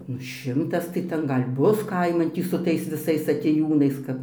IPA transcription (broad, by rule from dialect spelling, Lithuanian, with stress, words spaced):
ˈnʊ ˈʃʲɪmtɐs tɐɪ ˈtʲɛn ˈɡɐlʲ ˈbʊs ˈkɐɪmɐn ˈtʲiː sʊ ˈtɐɪs ʋʲɪˈsɐɪs ɐtʲeːˈjuːnɐɪs kɐp